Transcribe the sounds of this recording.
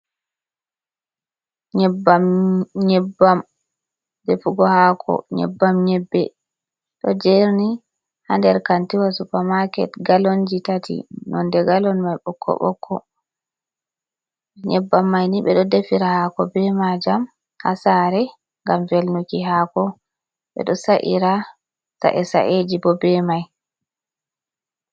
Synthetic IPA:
ɲɛbaɲɛbːam | defuɡɔhakʰɔ̰ɲɛ̰bːamɲɛbːɛ | ɗɔd͡ʒeɾni | handɛɾkantiwasupamakɛ̰tɡalond͡ʒitatḭnɔndɛɡalɔnmajɓɔkʰːɔ̰ɓɔ̰kʰːɔ | ɲɛbːamːajniɓɛɗɔdefiɾahakɔbɛmad͡ʒam | ha̰saɾɛ | ŋɡamvelnukiɦaːkɔ | ɓɛ̰ɗɔsaʔḭɾa | sa̰ʔɛsa̰ʔed͡ʒibɔbɛmaj

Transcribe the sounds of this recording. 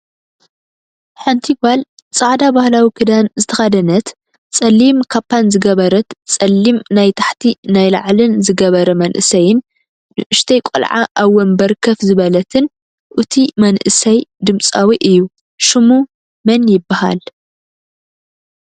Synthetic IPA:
ħant̪ʰibal | t͡sʼaʕd̪abahlawikʰɨd̪anzɨt̪ʰɐxad̪ɐnɐt̪ | t͡sʼɐlːimkʰapːanzɨɡɐβɐɾɐt̪t͡sʼɐlːimnajt̪ʰaħt̪ʰinajla̰ʕlɨnzɨɡɐβɐɾɐmɐnʔɨ̰sɐjɪn | nɨʔʊʃt̪ʰɐjkʷʼɔ̰lʕa̰ʔaβwːɔnbɐɾkʰɐfzɨβɐlɐt̪ʰɨn | ʔɨt̪ʰimɐnʔɨsɐjd̪ɨmt͡sʼawiʔɨjːu | ʃɨmu | mɐnjɪbːaha̰l

